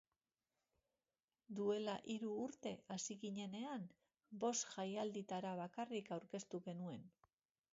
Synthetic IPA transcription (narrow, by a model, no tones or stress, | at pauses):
d̪ue̞laʔiɾuːɾt̪e̞asiɣiɲe̞ne̞am | bo̞st̪ʝajald̪it̪aɾaβ̞akarikawɾke̞st̪uɣe̞nue̞n